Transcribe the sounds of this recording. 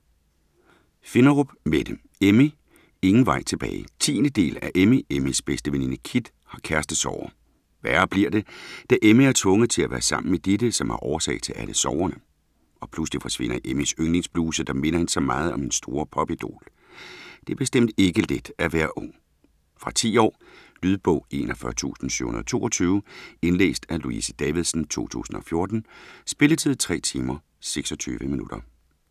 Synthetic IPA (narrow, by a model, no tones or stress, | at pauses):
fe̝nɐʁob̥med̥em | emi | e̝ŋn̩ʋɑ̈ɪ̰t͡sʰe̝b̥ɛ̰ːɪt͡sʰḭːnəd̥e̝̰ːlæʔemiʔemisb̥esd̥əʋeninəkʰid̥ | hɑ̈kʰæɐsd̥əð̩ˠsɒʊ̰ɐ | ʋæːɐb̥liɐ̰d̥e̝d̥æʔemiæɐt͡sʰʋɔ̽ŋəð̩ˠt͡sʰe̝læʋæ̰ːɐsɑ̈m̰n̩med̥ed̥əsɒ̽mhɑ̈ʔɒːɐsɛ̰ɪt͡sʰe̝lʔæləsɒʊɐnə | ɒ̽pʰlusd̥ifɒsʋe̝n̰ɐʔemisøŋle̝ŋsb̥luːsəd̥ɑ̈me̝n̰ɐhe̝nsɑ̈mɑ̈ːð̩ˠɒ̽m̥ensd̥o̝ːɐpʰɒ̽b̥id̥o̝̰ːl | d̥e̝æɐb̥e̝sd̥em̰d̥e̝ɡ̥əled̥æʋæɐʔɔŋ̰ | fʁɑ̈t͡sʰḭːɒ̰ːlyðˠb̥ɔ̽ʊ̰e̝̰ːnɒfɶɐt͡sʰṵːsn̩sø̰hunɐðˠt͡sʰo̝̰ːʔɒt͡sʰyːʊe̝nlḛːsd̥æluisəd̥ɛʋiðˠsn̩t͡sʰo̝̰ːt͡sʰṵːsn̩ɒ̽fjo̝ɐd̥n̩sb̥e̝lət͡sʰið̰ˠt͡sʰʁɛ̰ːt͡sʰiːmɐ | seɡ̥sɒ̽t͡sʰy̰ːʋəminud̥ɐ